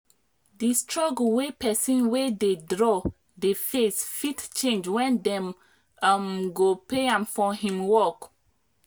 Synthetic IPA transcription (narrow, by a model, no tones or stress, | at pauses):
distɹɔɡlwepɛsĩnwededɹɔ | defesfitt͡ʃẽnd͡ʒwɛ̃ndɛ̃m | amɡopeãmfɔɦĩmwɔk